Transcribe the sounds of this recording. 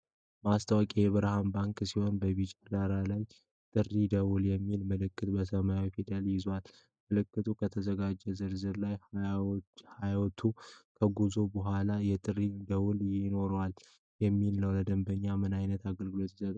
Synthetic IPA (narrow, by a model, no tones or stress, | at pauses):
bəast̪ʰəwakʼijɛβɨɾhambaŋksiho̞nbəβit͡ʃʼad̪aɾalaj | t̪ʼɨrːid̪əwuljɛmːilməlɨkːɨt̪bəsəmajawifid̪əljɪzwal | məlɨkːɨt̪ʰukʰət̪ʰəzəɡad͡ʒːɛzɨɾzɨɾlaj | hajwɔt̪ʰukʰəɡuzobəɦʷalajɛt̪ʼɨrːid̪əwuljɪno̞ɾwal | jɛmːilnəwləd̪əmbəɲːamɨnajnət̪aɡəlɡɨlo̞t̪zət̪